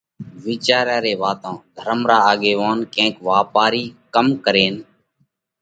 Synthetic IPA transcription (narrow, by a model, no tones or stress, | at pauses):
ʋiːt͡ʃaːɾjaːɾeːʋaːt̪ãːd̪ʱəɾəmɾaːaːɠeːʋãːnkẽːkʋaːpaːɾiːkəmkəɾeːn